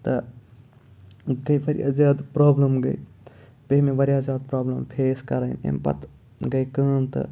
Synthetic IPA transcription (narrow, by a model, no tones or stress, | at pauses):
t̪ɐ | ɡɐjʋɐɾija̰zaːd̪pɾaːbləmɡɐ̰j | peɦmeʋɐɾijazaːd̪̚pɾaːblɐmpʰeːskɐɾɐinḛmpɐ̰t̪ | ɡɐjkɐːmt̪ɐ̰